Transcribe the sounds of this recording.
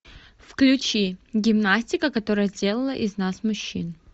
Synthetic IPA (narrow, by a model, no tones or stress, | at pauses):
fklʲʊt͡ɕiɡʲɪmnasʲtʲɪkəkɐt̪o̞ɾəjəzʲdʲe̞lˠəlˠəʔɪznasmʊɕːḭn